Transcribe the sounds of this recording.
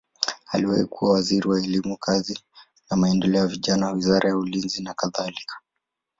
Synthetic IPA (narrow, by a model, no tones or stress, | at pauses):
aliwa̰ikʰuwawaziɾiwaɛlimukʰazi | namaɛndɛlɛɔjaviʄanawawizaɾʔajaulinzinakaðalikʰḁ